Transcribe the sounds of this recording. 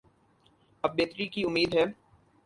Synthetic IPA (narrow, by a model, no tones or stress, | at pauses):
ɐb̚beːt̪ɾikiʊmːiːd̪ɦɛː